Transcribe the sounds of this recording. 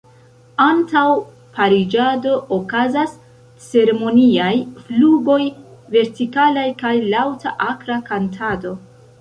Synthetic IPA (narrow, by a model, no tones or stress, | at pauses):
antaw | paɾid͡ʒado̞ʔokazas | t͡se̞ɾe̞mo̞niajfluɡo̞jve̞ɾtikalajkajlawtʰaʔakɾakantʰado̞